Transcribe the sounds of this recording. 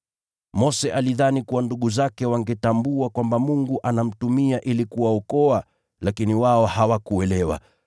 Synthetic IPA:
mɔsɛʔaliðanikuwanduɠuzakɛwaŋɡɛtambuakwambamuŋɡuʔanam̩tumiaʔilikuwaɔkɔa | lakiniwaɔhawakuɛlɛwa̰

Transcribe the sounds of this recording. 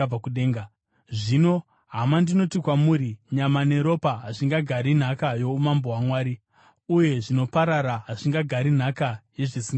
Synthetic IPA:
akuɗeːŋɡa | ʐino̞ | ɦamandino̞tikwamuːɾiɲamane̞ɾo̞paɦaʐiŋɡaɡʱaɾin̤akajo̞umamboɦwamwaːɾi | uje̞ʐino̞paɾaɾaɦaʐiŋɡaɡʱaɾin̤akaje̞ʐisiŋɡa

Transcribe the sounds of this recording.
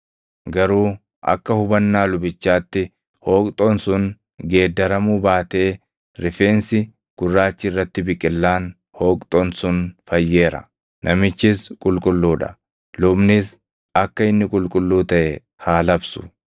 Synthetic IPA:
ɡɐɾuː | ɐ̰kːɐhʊbɐnːaːlʊbɪt͡ʃːaːt̪ːɪ | hoːkʼt̪ʼɔnsʊn | ɡe̞ːd̪ːɐɾɐmuːbaːt̪e̞ː | ɾɪfe̞ːnsɪ | ɡ̥ʊrːaːt͡ʃːɪɪrːɐt̪ːɪbɪkʼːɪlːaːn | hoːkʼt̪ʼɔnsʊnfɐjːe̞ːɾɐ̰ | nʔɐmɪt͡ʃːɪskʼʊlkʼʊlːuːᶑɐ̥̰ | lʊbnɪs | ɐkːɐɪnːɪkʼʊlkʼʊlːuːt̪ɐʔɛ | haːlɐbsʊ̥

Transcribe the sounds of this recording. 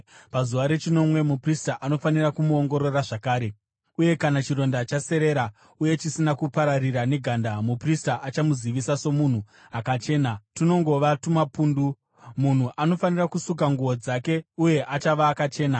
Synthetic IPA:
pazuʋaɾe̞t͡ʃino̞mwe̞mupristaʔano̞fanirakumuoŋɡo̞ɾo̞raʐakaːɾe̞ | uje̞kanat͡ʃiɾo̞ndat͡ʃase̞ɾe̞ɾa | uje̞t͡ʃisinakupaɾariɾane̞ɡʱandamupristaʔat͡ʃamuziʋisaso̞mun̤u | akat͡ʃe̞ːnatino̞ŋɡo̞ʋatumapuːndu | mun̤uʔano̞fanirakusuk̬aŋɡuʋod͡zake̞uje̞ʔat͡ʃaʋaːkat͡ʃe̞ːna

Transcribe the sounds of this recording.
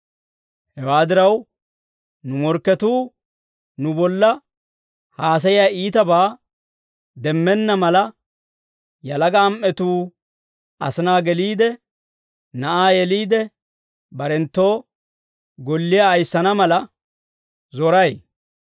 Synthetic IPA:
hɛwaːd̪ɪɾɐw | nʊmɔɾkːɛt̪uː | nʊbɔlːɐ | haːs̬ɐjɪjaːiːt̪ɐbaː | d̪ɛmːɛnːɐmɐlɐ | jɐlɐɡɐːmʔɛt̪uː | ɐ̰sɪnaːɡɛliːd̪ɛ | nɐʔaːjɛliːd̪ɛ | bɐɾɛnt̪ːo̞ː | ɡɔlːɪjaːjsːɐnɐmɐlɐ | zɔɾɐj

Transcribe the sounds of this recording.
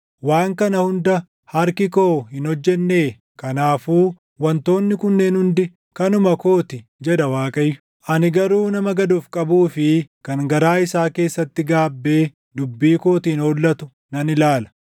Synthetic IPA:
waːŋkɐnɐhʊnd̪ɐ | hɐɾkɪko̞ːhɪnɔd͡ʒːɛnːe̞ː | kɐnaːfuː | wɐnt̪o̞ːnːɪkʊnːeːnhʊnd̪ɪ | kɐnʊmɐko̞ːt̪ɪd͡ʒɛd̪ɐwaːkʼɐjːʊ̥ | ʔɐnɪɡɐɾuːnɐmɐɡɐd̪ufkʼɐbuːfɪkɐŋɡɐɾaːɪsaːke̞ːsːɐt̪ːɪɡaːbːe̞ː | d̪ʊbːiːko̞ːt̪iːnoːlːɐt̪ʊ | nɐnɪlaːlɐ̥

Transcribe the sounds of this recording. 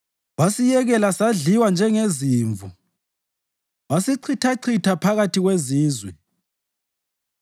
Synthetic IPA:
βasijɛɣɛlasaɮiwand͡ʒʱɛŋeziːɱvu | βasiǀʰitʰaǀʰitʰapʰaɣatʰiɣweziːzwɛ

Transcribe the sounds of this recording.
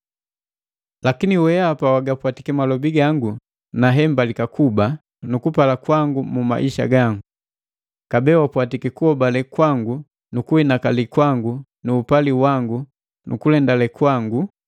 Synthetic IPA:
lakiniwɛapawaɡapwatikɛmalɔbiɡaŋɡu | naɦɛmbalikakuba | nukupalakwaŋɡumuma̰ʔiʃa̰ɡaŋɡu | kabɛwapwatikɛkuhɔbalɛkwaŋɡu | nukuinakalikwaŋɡu | nuːpaliwaŋɡu | nukulɛndalɛkwaŋɡu

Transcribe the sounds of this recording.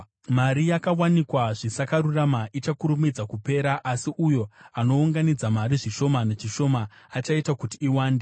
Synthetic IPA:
maɾijakawanikwaʐisakaɾuramaʔit͡ʃakuɾumid͡zakupe̞ːɾaʔasiʔujo̞ano̞uŋɡanid͡zamaɾiʐiʃo̞manet͡ʃiʃo̞maːt͡ʃaitakutiːwaːnde

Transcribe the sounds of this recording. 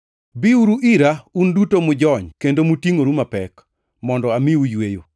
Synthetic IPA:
biuɾuʔiɾaundutomʊd͡ʒɔɲkendomutiŋoɾumapɛk | mɔndɔamɪujwejo

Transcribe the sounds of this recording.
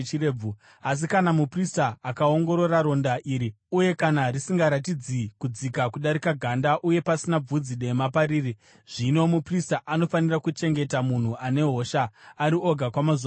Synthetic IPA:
ireb͡vu | as̬ikanamupristaːkao̞ŋɡo̞ɾo̞raɾo̞ndaʔiːɾi | uje̞kanarisiŋɡaɾatid͡zikud͡zikakuɗaɾikaɡʱandaʔuje̞pasinab͡vud͡ziɗe̞mapaɾiːri | ʐ̥ino̞mupristaʔano̞fanirakut͡ʃe̞ŋɡe̞tamun̤uʔane̞ɦo̞ʃaːɾio̞ɡʱakwamaza

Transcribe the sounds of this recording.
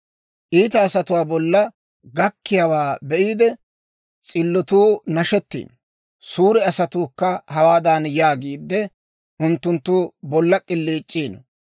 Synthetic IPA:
ʔiːt̪ɐːsɐt̪ʊwaːbɔlːɐ | ɡɐkːɪjawaːbɛʔiːd̪ɛ | t͡sʼɪlːɔt̪uːnɐʃɛt̪ːḭːn | suːɾɛɐsɐt̪uːkːɐhɐwaːd̪anjaːɡiːd̪ːɛ | ʔʊnt̪ːʊnt̪ːuːbɔlːɐkʼɪlːiːt͡ʃʼːiːn

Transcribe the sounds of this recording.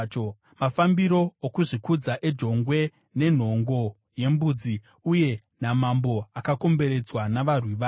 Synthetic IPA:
mafambiɾo̞ːkuʐikud͡zaʔe̞d͡ʒo̞ŋɡwe̞ | ne̞n̤o̞ŋɡo̞ | je̞mbuːd͡zi | uje̞ | namambo̞akako̞mbe̞ɾe̞d͡zwanaʋarwiʋaː

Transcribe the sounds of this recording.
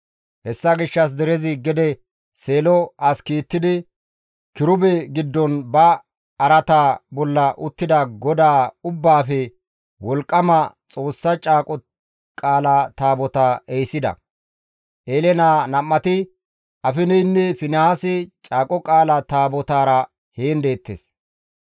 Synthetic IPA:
hɛsːɐɡɪʃːɐs̬d̪ɛɾɛzɪɡɛd̪ɛ | seːlɔʔɐskiːt̪ːɪd̪ɪ | kɪɾʊbɛɡɪd̪ːɔnbɐ | ɐɾɐt̪aːbɔlːɐʔʊt̪ːɪd̪ɐɡɔd̪aːʊbːaːfɛ | wɔlkʼːɐmɐt͡sʼo̞ːsːɐt͡ʃʼaːkʼɔ | kʼaːlat̪aːbɔt̪aʔejsɪd̪ɐ̰ | ʔeːlɛnaːnɐmːɐt̪ɪ | ʔɐfɪnɛjnːɛfɪnɐhasɪt͡ʃʼaːkʼɔkʼaːlɐt̪aːbɔt̪aːɾɐ | heːnd̪e̞ːt̪ːḛːs

